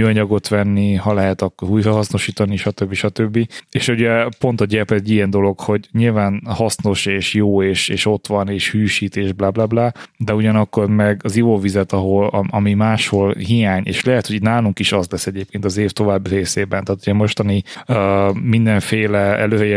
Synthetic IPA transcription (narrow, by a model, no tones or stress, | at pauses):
myɒɲɒɡo̞t̪ʋɛnːihɒlɛɦɛt̪ɒkːoɾuːjɾɒɦɒsno̞ʃiːt̪ɒniʃɒt̪øbːiʃɒt̪øbːieːʃuɟɛpo̞nt̪ɒɟɛpɛɟijɛnd̪o̞lo̞kho̞ɟɲilvaːnhɒsno̞ʃeːʃjoːeːʃeːʃo̞t̪ʋɒneːʃhyːʃiːt̪eːʒblablablad̪ɛuɟɒnɒkːo̞rmɛɡɒzivovizɛt̪ɒɦo̞lɒʔɒmimaːʃho̞lɦijaːɲḛːʃlɛɦɛt̪hoɟinaːluŋkiʃɒzlɛsːɛɟeːp̚keːnt̪ɒzeːft̪o̞vaːbːiɾeːseːbɛnt̪aːt̪uɟɛmo̞ʃt̪ɒni | øːmind̪ɛɱfeːlɛɛ̰løːɾɛ